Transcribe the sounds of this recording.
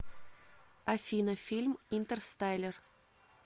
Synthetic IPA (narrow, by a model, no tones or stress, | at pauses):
ɐfʲinəfʲilʲmint̪ərst̪ajlʲɪr